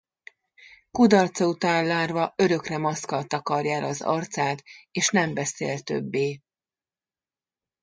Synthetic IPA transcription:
kud̪ɒrt̪sɒut̪aːnlaːrvɒø̞ɾø̞krɛmɒskɒlt̪ɒkɒrjaːlɒzɒ̰rt̪saːt̪eːʃnɛmbɛsḛːlt̪ø̞̰bːeː

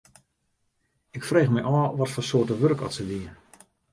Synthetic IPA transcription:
ɪkfreːxmɛjʔɔːʋɔtfɔnsoːətəʋørkɔ̰tsəʋiən

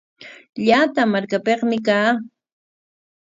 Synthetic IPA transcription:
ʎaːt̪amaɾkapeχmɪk̬aː

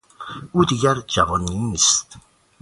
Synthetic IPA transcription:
uːd̪iɟæɾd͡ʒævɒnːinist̪

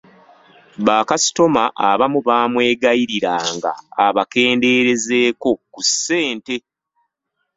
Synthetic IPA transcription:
βaːkasi̥to̞maʔaβamuβaːmwe̞ːɡajiɾiɾaːŋɡa̰ːβake̞ːnde̞ːɾe̞ze̞ːko̞kusːe̞ːnte̞

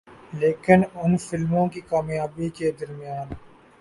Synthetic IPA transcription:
leːkɪnʊnfɪlmõkikaːmjaːbiked̪ɐɾmijaːn

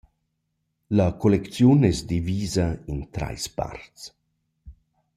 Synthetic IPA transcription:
lakʰolɛkt͡sjunɛsd̪iviːzaint̪ɾa̰jspa̰ɾt͡s

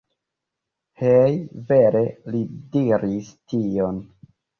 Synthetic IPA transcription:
hejveɾelidiɾistion

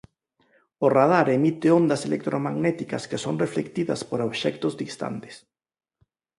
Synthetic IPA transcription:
orað̞aɾemit̪eond̪aselek̚t̪ɾʔomaɣnɛt̪ikɐskesoŋreflekt̪iðɐ̰spoɾoβʃɛkt̪ʊzðist̪a̰nt̪e̥s

